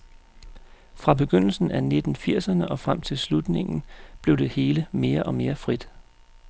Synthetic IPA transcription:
fʁɑ̈b̥e̝ɡ̥øn̰l̩sn̩æne̝d̥n̩fiɐ̰sɐnəʔɒ̽fʁam̰t͡sʰe̝lslud̥ne̝ŋn̩b̥le̝ʊd̥e̝he̝ːləme̝ːɐʔɒ̽me̝ːɐfʁid̥

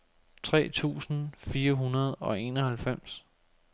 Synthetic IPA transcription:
t͡sʰʁɛ̰ːt͡sʰṵːsn̩fiːɐɦunɐð̞ˠɒ̽e̝nɒ̽hælfem̰s

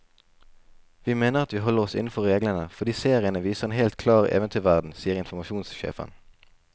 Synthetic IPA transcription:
ʋiːmeːnəʁɑt̪ʋiːɦɔləʁɔsɪ̰nn̩fɔʁʁeːɡlənəfɔʁd̪iːseːʁɪənəʋiːsəʁeːnhɛɪlt̪kʰlɑːʁḛːʋənt̪ʰyːʋæʁd̪n̩siːəʁɪnfʊmɑʃuːnsʃḛːfə̰n

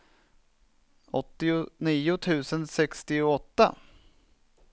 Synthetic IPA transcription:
ɔt̪ːɪniːʊt̪ʰʉ̟ːsənsɛkst̪ɪʊɔt̪ːa̰

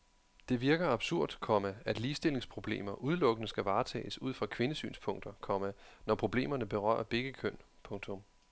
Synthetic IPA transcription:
d̥e̝ʋiɐɡ̥ɐɑb̥suɐ̰d̥kʰɒmææd̥liːsd̥e̝l̰e̝ŋspʰʁo̝b̥le̝̰ːmɐʔuð̞ˠlɔ̽ɡ̥ənəsɡ̥æʋɑ̈ːt͡sʰɛ̰ːɪsuð̰ˠfʁɑ̈kʰʋe̝nəsy̰ːnspʰɔ̽ŋ̰d̥ɐkʰɒ̽mænɒpʰʁo̝b̥le̝̰ːmɐnəb̥e̝ʁɶ̰ːɐb̥e̝ɡ̥əkʰøn̰pʰɔ̽ŋt͡sʰɔ̽m

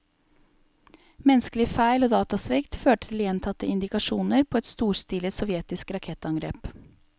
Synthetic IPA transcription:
mɛnskəlɪfæɪloːd̪ɑːt̪ɑsʋɪkt̪føːʈət̪ʰɪljɛnt̪ʰɑt̪əɪnd̪ɪkɑʂuːnəɾpʰoːɛt̪st̪uːɾst̪ɪlət̪sɔʋjɛt̪ɪskɾɑkʰɛt̪ɑŋɡɾḛːp

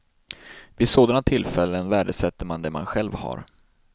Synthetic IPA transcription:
vɪsoːd̪anat̪ʰɪlːfɛlːənvæːɖəsɛt̪ːəɾmand̪ɛma̰nɧɛlvha̰ɾ

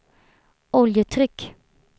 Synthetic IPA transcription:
ɔljət̪ʰɾʏk

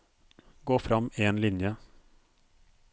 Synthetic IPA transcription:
ɡoːfɾɑmeːnlɪnjə

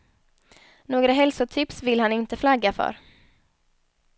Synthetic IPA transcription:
noːɡɾaɦɛlsʊt̪ʰɪpsvɪlhanɪnt̪əflaɡːafœ̰ɾ

